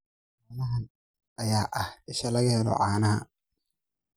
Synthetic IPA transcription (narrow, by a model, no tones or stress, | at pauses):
aːnɐɦɐ | ʔɐjaːʔɐhɪʃɐlɐɣɐhɛlɔ̰ʕaːnɐɦɐ̰